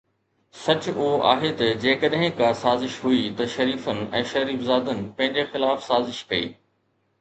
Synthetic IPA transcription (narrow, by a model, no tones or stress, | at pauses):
sɐt͡ɕʊʊoʔa̰ːɦet̪ɐd͡ʑeːkɐɗɦɪ̃kasaːzɪʃɦuit̪ɐʃɐɾiːfənɪ̆ɛ̰̃ːʃɐɾiːfzaːd̪ənɪ̆pɐ̃ɦɪ̃ɲd͡ʑexɪlaːfsaːzɪʃkɐḭː